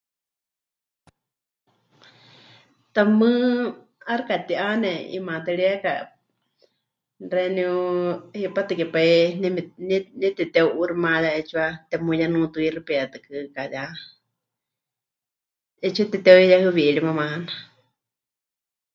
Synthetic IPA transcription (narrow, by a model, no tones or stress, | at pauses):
t̪amɨ | aɾkat̪iʔanɛḭmãt̪aɺiɛka | rɛniuhipat̪ɨkɛpainnnit̪ɛt̪ɛuʔuɾimajaɛt͡ʃʰuat̪ɛmujanũt̪uiɾipɛat̪ɨkɨkaja | ɛt͡ʃʰut̪ɛt̪ɛijahɨwiʔɺimamaana